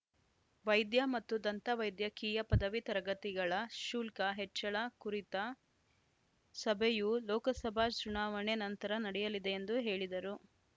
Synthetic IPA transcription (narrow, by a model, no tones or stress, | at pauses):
ʋɐjd̪jɐmɐt̪ːud̪ɐnt̪ɐʋɐjd̪jɐkiːjɐpɐd̪ɐʋit̪ɐɾɐɡɐt̪iɡɐɭɐʃuːlkɐɦet͡ʃːɐɭɐkuɾit̪ɐ | sɐbʱejulɔːkɐsɐbʱaːt͡ʃuɳaːʋɐɳenɐnt̪ɐɾɐnɐɽɛjɐlid̪e̞ːnd̪uɦe̞ːɭid̪ɐɾu